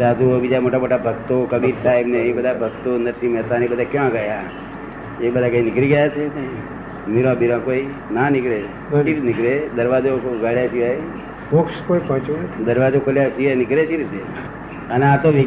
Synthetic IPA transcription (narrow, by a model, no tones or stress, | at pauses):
sad̪ʱubid͡ʒamoʈamoʈabʱəɡt̪okəbiɾsaɦibneebəd̪ʱabʱəɡt̪onəɾʃimɛt̪anebəd̪ʱakjãɡəja | ebəd̪ʱakəĩnɪkɾiɡəjat͡ʃʰee | miɾãbiɾãkoi | nanɪkɭe | iɾnɪkɾed̪əɾʋad͡ʒoɡaɭjasiʋaj | pokʃkoipɔ̃ɦt͡ʃund̪əɾʋad͡ʒokʰoljasiʋanɪkɾeʃiɾit̪e | əneat̪oʋi